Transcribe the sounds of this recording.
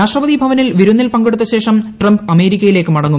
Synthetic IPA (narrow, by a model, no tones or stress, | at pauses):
aːʂʈrɐʋɐðibʱɐʋɐnilʋiɾunːilpɐŋɡeɽut̪ːɐɕe̞ːʂɐmʈrɐmbɐme̞ːɾikʲːɐjile̞ːkːɨmɐɽɐŋːu